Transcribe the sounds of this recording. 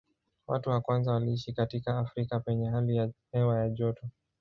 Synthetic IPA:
wa̰tuwakwanzawaliiʃikatikaːfɾikapɛɲɛhalijahɛwajaʄɔtɔ

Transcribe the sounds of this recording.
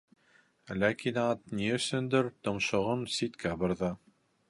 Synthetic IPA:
lækinɑt̪̚niɵ̆sɵ̆nd̪ɘɾt̪ɤ̆mʃɤ̆ʁɤnsit̪kʰæbɤ̆ɾðɤ

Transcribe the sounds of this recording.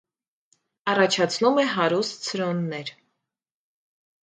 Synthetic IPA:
ɑrɑt͡ʃʰɑt͡sʰnumɛɦɑɾust̪̚t͡sʰəɾɔnːɛɾ

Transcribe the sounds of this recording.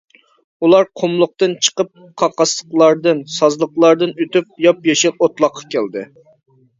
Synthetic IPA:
ulˠɑɾqʰomlˠʊq̚t̪ɨnt͡ʃʰə̥qəp̚qʰɑqɑsˠə̥qlˠɑɾd̪ɨnsɑzlˠəqlˠɑɾd̪ɨnøt̪yp̚jɑpjeʃɪlot̪lˠɑqʰːɑ̥kʲæld̪ɨ̰

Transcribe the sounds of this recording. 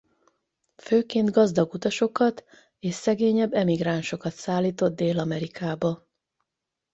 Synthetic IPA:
føːkeːnd̪ɡɒzd̪ɒɡut̪ɒʃo̞kɒt̪ | eːʃsɛɡeːɲɛbːɛmiɡraːnʃo̞kɒt̪saːlːiːt̪o̞d̪̚d̪eːlɒmɛɾikaːbɒ

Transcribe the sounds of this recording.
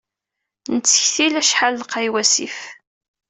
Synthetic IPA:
nət͡sːə̥çθilæʃħalːqːajwæsḭf

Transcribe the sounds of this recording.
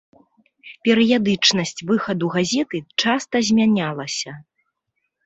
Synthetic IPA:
pʲɛɾɨjad̪ɨt͡ʂnɐsʲt͡sʲvɨxɐd̪uɣazʲɛt̪ɨt͡ʂast̪ɐzʲmʲanʲalˠɐsʲɐ

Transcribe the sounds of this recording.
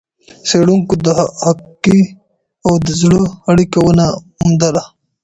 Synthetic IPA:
seɽuŋkod̪əhakkːi | awd̪əzɽəaɽikawəna | umd̪ala

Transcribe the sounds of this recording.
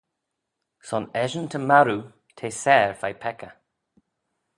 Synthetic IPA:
sɔnɛʒənt̪ʰəmaɾu | t̪ʰeːsɛːɹfajpʰɛkə

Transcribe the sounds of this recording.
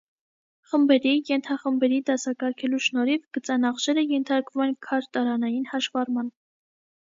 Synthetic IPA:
χəmbɛɾijɛnt̪ʰɑχəmbɛɾid̪ɑsɑkɑɾkʰɛluʃnɔɾivɡ̥ət͡sɑnɑχʃɛɾəjɛnt̪ʰɑɾkvumɛnkʰɑɾt̪ɑɾɑnɑjinhɑʃvɑrmɑn

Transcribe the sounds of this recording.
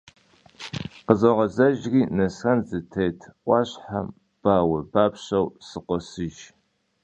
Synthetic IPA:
qəzɐʁɐzɐʒriːnɐsxɐnzɨtʰejtʰʔʷʼɑɕħa̰ | b̥aːwɐbaːpɕɐwsɨqʷɔsɨʒ

